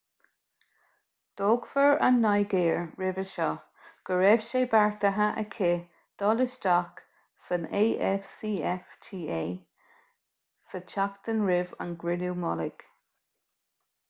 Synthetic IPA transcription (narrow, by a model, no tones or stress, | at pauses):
d̪̥ɔːɡ̥fəɹa̰nːajɡeːɹɹɪvəʃɔ | ɡ̥əɹɛv̥ʃeːbaɹt̪əɦaʔəkʰe | d̪̥ɔlɪʃdak | səneːʔɛfsiːɛftʰiːeː | sət͡ʃʰakt̪ənɹɪvə̰nɡɹɪluwmɔlɪɡ̥